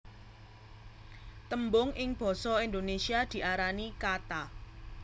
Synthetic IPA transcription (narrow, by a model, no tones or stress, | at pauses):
t̪əmbʊŋʔɪŋb̥ɔ̤sɔind̪onesiad̪̥i̤ʔaɾanikat̪a